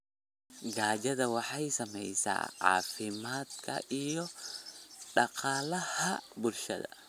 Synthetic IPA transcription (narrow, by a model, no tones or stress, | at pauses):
ɡaːd͡ʒɐðɐwɑħɑjsɐmɛ̰jsa̰ːʕa̰ːfɪmaːd̪kʰɐ̰ʔijɔ | ɗɑqɑːlɐhɐbʊlʃɐ̰ðɐ̰